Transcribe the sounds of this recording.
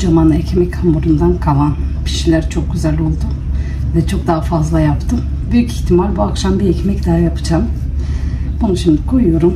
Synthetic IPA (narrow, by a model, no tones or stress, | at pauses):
d͡ʒamanɛcʰmɛchamuɾund̪ankʰalˠanpʰi̥ʃilʲæɾt͡ʃʰo̞k̚ɟyzælʲo̞lˠd̪u | vɛt͡ʃʰo̞k̚d̪aːafazlˠajapt̪ʰɯm | byjyciçt̪ʰimalʲbuakʃambiɛcmɛcd̪aɦajapʰɯ̥d͡ʒam | bunuʃimd̪ikʰo̞jujo̞ɾum